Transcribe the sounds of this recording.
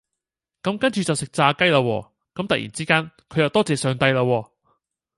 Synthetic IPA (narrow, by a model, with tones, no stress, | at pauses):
kɐ˨˥mkɐ˥nt͡ʃyː˨t͡sɐ˨wsɪ˨k̚t͡saː˧kɐ˥jlaː˧wɔ̰ː˧ | kɐ˨˥mt̪ɐ˨k̚jḭː˨˩nt͡siː˥kaː˥nkʰɵ˨˧jɐ˨wt̪ɔː˥t͡sɛː˨sœː˨˩ŋt̪ɐ˧jlaː˧wɔː˧